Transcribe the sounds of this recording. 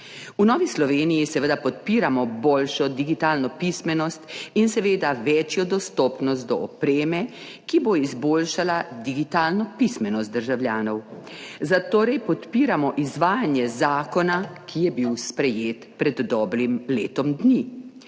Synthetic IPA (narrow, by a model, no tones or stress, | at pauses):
unɔːʋislɔʋeːnijisɛʋəd̪apɔt̪̚piːɾamɔboːlʃɔd̪iɡit̪aːlnɔpismɛnɔst̪insɛʋeːd̪aʋɛt͡ʃjɔd̪ɔst̪oːpnɔst̪d̪ɔɔpɾeːmɛ | kiboizboːlʃalad̪iɡit̪aːlnɔpismɛnɔst̪̚d̪əɾʒawlʲjaːnɔw | zat̪oːɾɛjpɔt̪piːɾamɔʔizʋaːjanjɛzaːkɔnakʰijɛbiwspɾɛjeːt̪pɾɛd̪ːɔːbɾimleːt̪ɔmd̪ni